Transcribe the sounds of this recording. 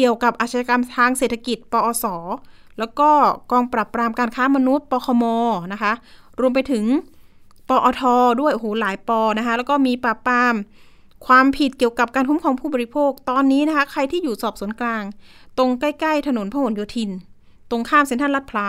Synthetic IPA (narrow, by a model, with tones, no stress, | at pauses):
ki˨˩əwka˨˩p̚ʔaː˨˩t̪̚ʰa˧ja˧ka˧mt̪ʰaː˧ŋseː˨˩t̪ʰa˧ki˨˩t̪̚pɔː˧ʔɔː˧sɔː˩˦ | lɛː˦˥wkɔː˥˩kɔː˧ŋpɾaː˨˩pɾaː˧mkaː˧nkʰaː˦˥ma˧nu˦˥t̪̚pɔː˧kʰɔː˧mɔː˧na˦˥kʰa˦˥ʔ | ɾu˧əmp̬a˧jt̪ʰɯ˩˦ŋ | pɔː˧ʔɔː˧t̪ʰɔː˧du˥˩əjʔo˧hoː˨˩˦laː˨˩˦jpɔː˧na˦˥kʰa˦˥lɛ˦˥wkɔː˥˩miː˧pɾaː˨˩pɾaː˧m | kʰwaː˧mpʰi˨˩t̪̚ki˨˩əwka˨˩p̚kaː˧nkʰu˦˥mkʰɔː˩˦ŋpʰuː˥˩bɔː˧i˧˥pʰoː˥˩k̚t̪ɔː˧nːiː˦˥na˦˥kʰa˦˥kʰa˧jt̪ʰiː˥˩juː˨˩sɔː˨˩p̚suː˨˩˦ənklaː˧ŋt̪o˧ŋka˥˩jka˥˩jt̪ʰa˧no˨˩˦npʰaː˧˥ho˨˩˦njoː˧t̪ʰi˧n | t̪o˧ŋkʰaː˥˩mse˦nt̪ʰa˥˩la˦˥t̪̚pʰla˦˥